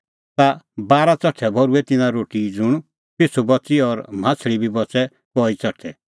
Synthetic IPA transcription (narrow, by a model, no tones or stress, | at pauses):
t̪abaːɾat͡sɔʈʰːɛbʱɔɾuɛt̪ɪnãɾoːʈid͡zʊɽ̃ | pesʰubɔt͡siɔɾm̤ãt͡sʰɭibʱibɔt͡sɛ | kɔit͡sɐʈʰɛ